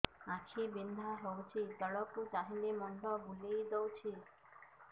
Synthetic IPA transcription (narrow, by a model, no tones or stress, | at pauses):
ãt͡ʃʰibind̪ʱaɦɔwt͡ʃʰit̪ɔɭɔkut̪aɦinemɔɳɖɔbulid̪ɔwt͡ʃʰi